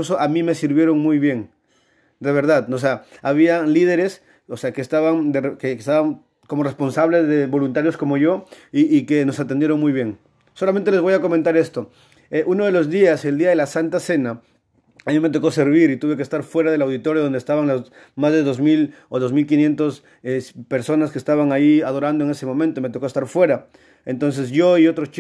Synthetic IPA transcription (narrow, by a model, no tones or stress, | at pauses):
us̬oʔamĩme̞siɾβje̞ɾo̞ŋmujβje̞ŋ | d̪e̞βe̞ɾð̞aðos̬eaaβ̞ialið̞e̞ɾes | oseakeːst̪aβaŋd̪erkeest̪aβaŋ | ko̞more̞spo̞nsaβle̞zðeβo̞lunt̪aɾjo̞sko̞mo̞ʝo̞ | iːkeno̞sant̪end̪je̞ɾo̞ŋmujβje̞ŋ | solamẽnt̪elezβojako̞mẽnt̪aɾe̞st̪o̞ | eʔuno̞ðe̞lo̞zðiaseld̪iaðe̞lasant̪ase̞na | amime̞t̪̬o̞ko̞se̞ɾβ̞iɾit̪uβe̞k̬est̪aɾfwe̞ɾaðelawðit̪o̞ɾjoðo̞nd̪est̪aβaŋloz | mazðe̞ðo̞zmil | oðo̞zmilkinje̞nt̪os | espe̞ɾso̞naskest̪aβaŋaiaðo̞ɾand̪oeŋe̞se̞mõ̞mẽnt̪ome̞t̪okoest̪aɾfwe̞ɾa | ent̪o̞ns̬e̞sʝoio̞t̪ɾost͡ʃ